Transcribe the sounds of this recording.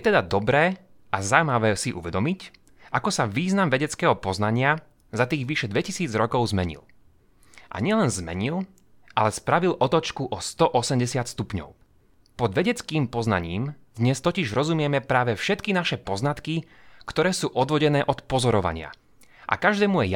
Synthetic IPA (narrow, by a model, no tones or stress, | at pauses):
jɛt̪ɛd̪ad̪ɔbɾɛː | azawmaʋɛːsiʔṵʋɛd̪ɔmic | ʔakɔsaʋiːznamʋɛɟɛt͡skɛːɦɔpɔznaɲɪa | zat̪iːɣʋiʃɛd̪ʋɛcisiːd͡zɾɔkɔʊzmɛɲḭl | ʔa̰ɲɪɛlɛnzmɛ̰ɲil | ʔalɛspɾaʋilʔɔt̪ɔt͡ʃkuʔɔst̪ɔʔɔsɛmɟɛsɪat̪st̪upɲɔ̰ʊ | pɔd̪ʋɛɟɛt͡skiːmpɔzna̰ɲiːmd̪ɲɛst̪ɔciʒɾɔzumɪɛmɛpɾaːʋɛfʃɛt̪kinaʃɛpɔznat̪ki | kt̪ɔɾɛːsuːʔɔd̪ʋɔɟɛnɛːʔɔt̪pɔzɔɾɔʋa̰ɲɪa̰ | ʔa̰kaʒd̪ɛːmujɛ